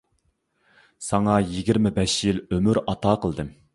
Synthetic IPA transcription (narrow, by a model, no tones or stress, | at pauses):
sɑŋɑjiɡʲiɾmɪbɛʃjilømyɾɑt̪ɑːqəlˠd̪ɨm